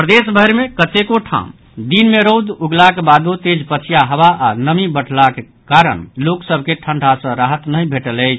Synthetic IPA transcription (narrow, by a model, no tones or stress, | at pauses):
pɾəd̪esbʱəjɾmekət̪ekoʈʰã̰m | d̪inmeɾowd̪uɡlakebad̪ot̪ed͡ʒpət͡ʃʰijaɦəβaʔanəmibəɽ̤ʰlake | kaɾə̰ɳloksəbʱkeʈʰəɳɖʱasə̃ɾaɦət̪nəjbʱeʈələɪt͡ʃʰ